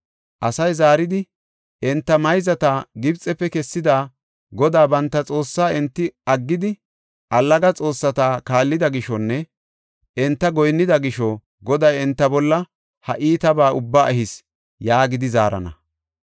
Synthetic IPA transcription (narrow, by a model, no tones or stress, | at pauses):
ʔɐsɐjzaːɾɪd̪ɪ | ɛnt̪ːɐmɐjzɐt̪aːɡɪbt͡sʼɛpːɛkɛsːɪd̪aː | ɡɔd̪aːbɐnt̪ːɐt͡sʼo̞ːsːaːɪnt̪ːɪɐɡːɪd̪ɪ | ʔɐlːɐɡɐt͡sʼo̞ːsːɐt̪aːkaːlːɪd̪ɐɡɪʃɔnːɛ | ɛnt̪ːɐɡɔjnːɪd̪ɐɡɪʃɔ | ɡɔd̪ɐjɛnt̪ːɐbɔlːɐ | hɐʔiːt̪ɐbaːʔʊbːaːʔɛɦɪs | jaːɡɪd̪ɪza̰ːɾɐ̰nɐ̰